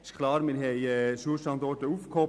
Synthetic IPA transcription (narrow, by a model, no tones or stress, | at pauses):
ɪ̥ʃkʰlɑːɾmɛnɦɛɪɛsuəʃtɑnd̪ɔɾtəuːfkʰɔ